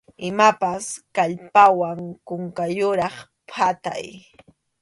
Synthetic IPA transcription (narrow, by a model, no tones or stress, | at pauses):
ɪmapaskaʎpawaŋkʊŋkajʊɾɑχ | pʰat̪a̰j